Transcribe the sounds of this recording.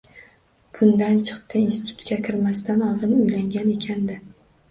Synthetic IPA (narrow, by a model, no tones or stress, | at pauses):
kʰʊnd̪ant͡ʃʰɨ̥qt̪ʰɪinsɪ̥t̪ʰʊ̥t̪kʲakʲʰɪɾmast̪anɒlˠd̪ɪnʊjlaŋɡʲane̞kʲʰand̪ɪ